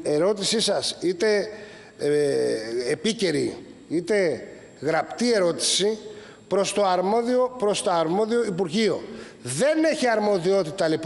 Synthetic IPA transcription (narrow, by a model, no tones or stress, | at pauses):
e̞ɾo̞t̪isisɐsit̪e̞ | epice̞ɾḭit̪e̞ | ɣɾɐpt̪ie̞ɾo̞t̪i̥si | pɾo̞st̪o̞ɐɾmo̞ðio̞pɾo̞st̪oɐɾmo̞ðio̞ipuɾʝio̞ | ðe̞ne̞çiɐɾmo̞ðio̞t̪it̪ɐlip